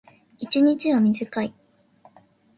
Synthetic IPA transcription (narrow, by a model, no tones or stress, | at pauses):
it͡ɕiɲ̟it͡ɕiβamʲiʑikai